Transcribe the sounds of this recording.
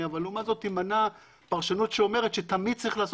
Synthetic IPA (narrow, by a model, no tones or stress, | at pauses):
avalumazo̞timana | paʁʃanutʃeo̞me̞ʁet̪ʃet̪amid̚t͡saʁiχlaːs